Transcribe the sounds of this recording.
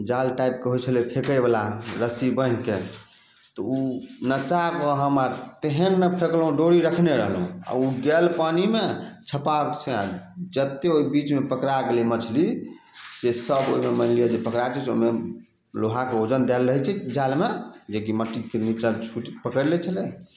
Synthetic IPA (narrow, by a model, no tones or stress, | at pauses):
d͡ʒalʈajp̚keɦojt͡ʃʰəlipʰekəjbalaɾəsibənke | t̪ɔunət͡ʃakɔɦəmaɾt̪eɦənːəpʰeklɦũɖoɽiɾəkʰneɾəɦəlɦṵ̃a̰uɡɛlpanimet͡ʃʰəpat͡ʃʰeãd͡ʒət̪ːeoibit͡ʃmepəkɾaɡelimət͡ʃʰli | sesəbo̰imemənlijad͡ʒepəkɾajt͡ʃʰɛt͡ʃʰome | loɦakeod͡ʒənd̪ɛlɾəɦɛt͡ʃʰɛd͡ʒalmed͡ʒekiməʈːikemit͡ʃat͡ʃʰuʈpəkəɾlɛt͡ʃʰəlɛ